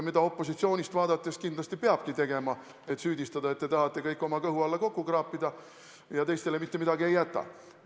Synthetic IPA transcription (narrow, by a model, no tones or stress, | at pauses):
mid̪̥ɑo̞pːo̞sit̪sio̞ːnʲist̪vɑːd̪̥ɑt̪ːˑeskind̪lɑst̪ipeɑb̥kit̪e̞ɡ̥e̞mɑ | e̞t̪syːd̪ist̪ɑd̪ɑe̞t̪ːe̞t̪ɑɦɑt̪ːˑe̞kɤjkːˑo̞mɑkɤɦuɑlːɑko̞kːukrɑːpːˑid̪̥ɑ | jɑt̪e̞jst̪e̞le̞mit̪ːe̞mid̪ɑɡie̞jːæt̪ːˑɑ̰